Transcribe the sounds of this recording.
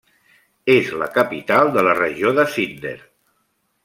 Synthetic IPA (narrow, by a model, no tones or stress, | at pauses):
ezlə̰kəpit̪alˠd̪ələrəʒioðəsind̪ḛɾ